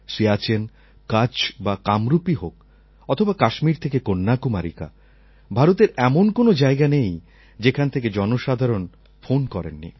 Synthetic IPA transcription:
ʃiat͡ɕen | kat͡ɕbakamɾupiɦok̚ | ɔt̪ʰobakaʃmiɾt̪ʰekekonːakumaɾḭka̰ | bʱaɾot̪eɾɛmonkonod͡ʑaeɡanej | d͡ʑekʰanet̪ʰeked͡ʑɔnoʃad̪ʱaɾon | fonkɔɾḛnːḭ

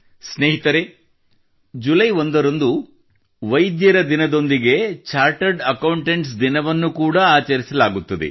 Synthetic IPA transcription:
sneːɦit̪ɐɾe | d͡ʒulɐjond̪ɐɾɐnd̪u | ʋɐjd̪jɐɾɐd̪inɐd̪o̞nd̪iɡe̞t͡ʃaːɾʈɐɾɖɐkɐwuɳʈeɳʈsd̪inɐʋɐnːukuːɽɐaːt͡ʃɐɾisɐlaːɡut̪ːɐd̪ḛ

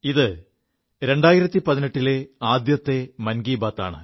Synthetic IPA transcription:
iðɨ | ɾe̞ɳɖaːjiɾɐt̪ːipɐðineʈːile̞aːd̪jɐt̪ːe̞mɐnɡiːbaːt̪ːa̰ːɳɨ̰

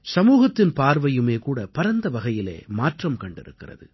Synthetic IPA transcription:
sɐmuːɣɐt̪ːɪnpaːɾʋɐjɯmeːkuːɽɐpɐɾɐnd̪ɐʋɐɣɐjɪlḛːmaːʈrɐmkɐɳɖɪ̰ɾɯkːɪrɐ̰ðɯ

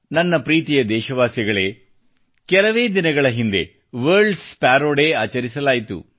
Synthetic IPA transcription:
nɐnːɐpɾiːt̪ijɐd̪ɛːʃɐʋaːsjɐɡɐɭe̞ː | kɛlɐʋe̞ːd̪inɐɡɐɭɐɦind̪e̞̰ | ʋɐːɾɖspaːɾoːɽeːaːt͡ʃɐɾis̬ɐlaːjit̪ṵ

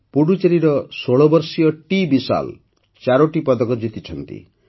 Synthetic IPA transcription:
puɽut͡ʃeɾiɾɔsoɭɔbɔɾsijɔʈibisa̰l | t͡ʃaɾɔʈipɔd̪ɔkɔd͡ʒit̪it͡ʃʰɔnt̪ḭ

